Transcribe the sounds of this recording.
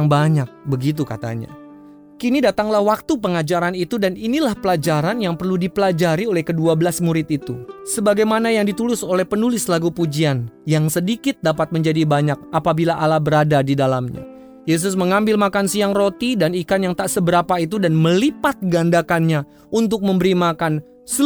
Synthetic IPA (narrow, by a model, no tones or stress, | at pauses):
ŋbaɲak̚bəɡit̪̬ukat̪a̰ɲa̰ | kinidat̪aŋlahwak̚t̪upəŋad͡ʒaɾanit̪udaninilahpəlad͡ʒaɾanjaŋpərludipəlad͡ʒaɾiolɛhkəduabəlasmuɾɪt̪̚it̪usəbaɡajmanajaŋdit̪ulɪsolɛhpənulɪslaɡupud͡ʒianjaŋsədikɪt̪̚dapat̪̚məɲd͡ʒadibaɲak̚apabilaʔalabəɾadadidalamɲa̰ | jes̬ʊs̬məŋambɪlmakansiaŋrot̪idanikanjaŋt̪aʔsəbəɾapait̪̬udanməlipat̪̚ɡandakanɲa | unt̪ʊk̚məmbəɾimakan | s